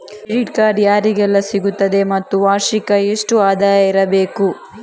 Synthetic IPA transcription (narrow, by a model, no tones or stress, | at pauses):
ɽiʈkaːɾjaːɾiɡɛlːɐsiɡut̪ːɐd̪e̞mɐt̪ːuʋaːʃikɐeʂʈuaːd̪aːjɐiɾɐbeːku